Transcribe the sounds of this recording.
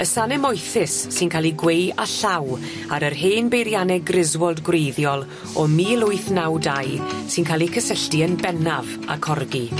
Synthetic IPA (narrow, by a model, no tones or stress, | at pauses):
əsanɛmɔjθɪsːɪnkʰaːlˠiɡwejaɬaw | aɾərɦeːnbejɾjanɛɡrɪzwɔlˠdɡwrejðjɔlˠ | ɔmiːlˠʊɨθnawdajsɪnkʰaːlˠikʰəsəɬtiənbɛnav | a̰kʰɔrɡi